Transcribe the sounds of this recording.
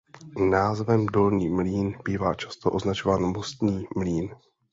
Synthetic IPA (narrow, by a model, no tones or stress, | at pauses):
naːzvɛmdo̞lɲiːmliːnb̥iːvaːt͡ʃḁst̪oʔo̞znat͡ʃovaːnmost̪ɲiːmliːn